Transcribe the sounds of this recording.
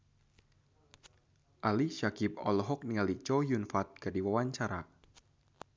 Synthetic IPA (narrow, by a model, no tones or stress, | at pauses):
ʔaliʃakip̚ɔ̰lɔɦɔk̚niŋalit͡ʃɔjunfat̪̚kardiwawaɲt͡ʃaɾa